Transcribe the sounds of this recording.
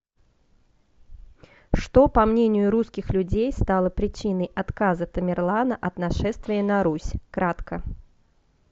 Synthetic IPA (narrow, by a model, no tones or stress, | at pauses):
ʂt̪ɔpɐmnʲenʲɪjʊɾuskʲɪxlʲʊd͡zʲejst̪alˠəpɾʲɪt͡ɕin̪əjʔat̪kazət̪əmʲɪrlˠanɐʔɐt̪naʂɛst̪vʲɪjənɐɾusʲkɾat̪kə